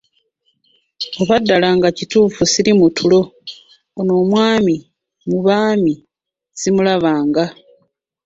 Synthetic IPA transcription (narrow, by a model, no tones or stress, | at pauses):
oβadːalaːŋɡacituːfusiɾimutʰulo̞ | ono̞ːmwaːmi | muβaːmi | z̥imulaβaːŋɡa